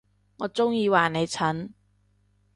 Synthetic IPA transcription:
ŋɔː˨˧t͡sʊ˥ŋjiː˧waː˨˩ne˨˧jt͡sʰɐ˨˥n

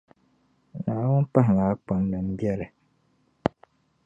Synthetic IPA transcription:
naː˨˦wʊ˦n˦pa˦ɦɪ˨ŋa˨˦k͡pa˨n˦lɨ˨m̩˦bjɛ˦lɨ˨

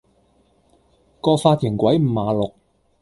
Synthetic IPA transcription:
kɔː˧kfaː˧t̪ʰiː˨˩ŋkʷwɐ˨˥jm̩˨˩maː˨˧lʊ˨k̚

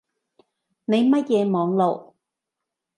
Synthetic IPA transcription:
ne˨˧jmɐ˥t̚jɛː˨˧mɔː˨˧ŋlo˨˩w

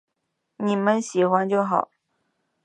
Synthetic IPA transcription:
ni˨˩mə˦˥nɕi˨˩xwa˧˥nt͡ɕjo˥˩ʊxɑ˨˩˦ʊ

